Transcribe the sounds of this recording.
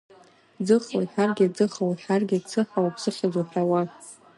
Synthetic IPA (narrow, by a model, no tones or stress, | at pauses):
d͡zɨχawiħarɡʲɪd͡zɨχawiħarɡʲɪt͡sʰɨħawapʰsɨχʲazaħʰrawa